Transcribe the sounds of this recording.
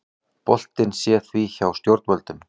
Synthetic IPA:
pɔɬt̪ɪnsjɛθwiːçawst̪jort̪pœlt̪ɪ̆m

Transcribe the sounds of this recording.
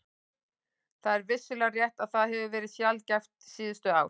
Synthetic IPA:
θaðɛɾvɪsːʏlɛrjɛht̪aðθaðɦɛvʏvɛːɾɪðsjalcɛft̪siːðʏst̪ʏaːw

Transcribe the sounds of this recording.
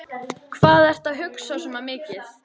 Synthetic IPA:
kʰvaːðɛr̥t̪aðɦʏksawsɛmamɪːcɪθ

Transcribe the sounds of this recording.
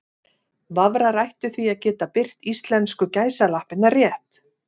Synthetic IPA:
vavɾaɾajht̪ʏθviaðcɛːt̪apɪr̥t̪ist̪lɛnskʏcaːjsalahpɪnarjɛht̪

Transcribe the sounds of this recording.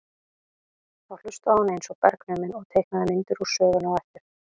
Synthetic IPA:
θawlʏ̥st̪aːwnejnsɔpɛ̰ɾknœːmɪnɔɣt̪ʰeːjhknaðɪmɪnt̪ʏɾu̥sœːɣʏnɔɣɛft̪ɪɾ̥

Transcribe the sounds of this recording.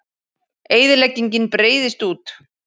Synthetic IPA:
eːjðɪlɛcːiɲcɪnpɾeːjðɪst̪uːt̪

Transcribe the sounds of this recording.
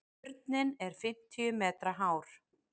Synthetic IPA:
ɾt̪̚nɪnɛɾ̥fɪm̥t̪ʰiʏmɛːt̪ɾaɦaːwɾ̥

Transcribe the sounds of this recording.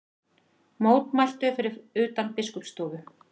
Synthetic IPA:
moːwt̪majl̥t̪ʏfɪɾɪɾʏːt̪anpɪskʏpst̪ɔːɣʏ

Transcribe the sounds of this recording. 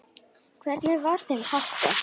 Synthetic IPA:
kʰvɛɾt̪nɪvaɾ̥θenhaht̪ɪ

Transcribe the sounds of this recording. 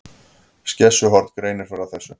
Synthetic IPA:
scɛsːʏɦɔɾ̥t̪kɾeːjnɪɾ̥fɛɾaθɛsːʏ

